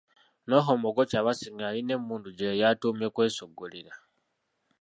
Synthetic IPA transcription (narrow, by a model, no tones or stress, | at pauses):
no̞ɦomoɡocaβasiŋɡaline̞muːnduɟejatumjekwe̞ːsoɡoliɾa